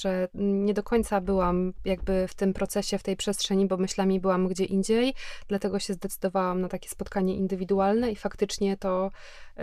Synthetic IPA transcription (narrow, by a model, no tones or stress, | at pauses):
ʐ̥ɛɲɛd̪ɔkɔɲʲt̪sabɘwamjaɡ̚bɘft̪ɘmpɾɔt̪sɛɕɛft̪ɛjpʂɛstʂɛɲibɔmɘɕlamʲibɘwamɡd͡ʑɛʔind͡ʑejd̪̥lat̪ɛɡɔɕɛzd̪ɛt̪sɘd̪ɔvawamnat̪akʲɛ̥spɔt̪kaɲɛʔind̪ɘvʲid̪ualnɛifakt̪ɘt͡ʂɲɛt̪ɔ